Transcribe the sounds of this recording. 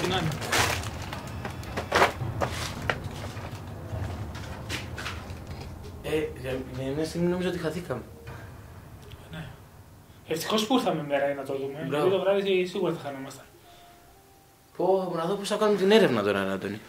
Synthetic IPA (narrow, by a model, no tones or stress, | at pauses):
tinani | enemest̪iminomiz̬oo̞t̪ixaθikɐme | ne | eft̪i̥xo̞spuɾθɐmemeɾɐinɐt̪oðumebɾavit̪oɣɾɐvisesiɣuɾɐθɐxɐnomɐst̪e̥ | ponɐðoposθɐkanumet̪ine̞ɾe̞vnɐt̪onanad̪oni